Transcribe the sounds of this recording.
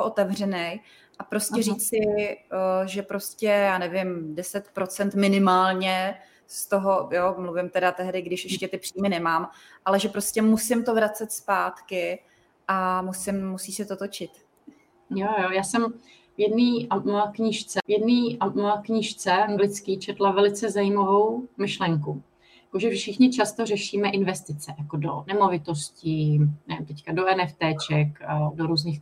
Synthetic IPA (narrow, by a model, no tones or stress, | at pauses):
oʔot̪ɛvrɛnɛj | ʔapɾo̞scɛɾiːt͡sɪ | ʒɛpɾo̞scɛjaːnɛvɪmdɛsɛt̪pɾo̞t͡sɛnt̪mɪnɪmaːlɲɛ | st̪o̞ɦojomluvɪmt̪ɛdat̪ɛɦdɪɡdɪʃʔɛʃcɛt̪ɪpr̝̥iːmɪnɛmaːm | ʔalɛʒɛpɾo̞scʲɛmusɪmt̪o̞vɾat͡sɛt̪spaːt̪kɪ | ʔamusɪmːusiːsɪt̪o̞t̪o̞t͡ʃɪt̪ | jojojaːsɛm | jɛdniːʔamoakɲɪʃt͡sɛjɛdniːʔamakɲɪʃt͡sɛʔaŋɡlɪt͡skiːt͡ʃɛt̪lavɛlɪt͡sɛzajiːmavo̞wmɪʃlɛŋku | jjakoʒɛfʃɪxɲɪt͡ʃast̪orɛʃiːmɛʔɪnvɛst̪ɪt͡sɛjakodo̰nɛmo̞vɪt̪o̞scinɛvɪmt̪ɛckadoɛnɛft̪ɛːt͡ʃɛkdoɾuːzɲiːx